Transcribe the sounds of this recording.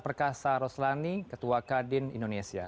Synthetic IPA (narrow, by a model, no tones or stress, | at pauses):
pərkasaɾɔslanikət̪uakadɪnḭndonesia̰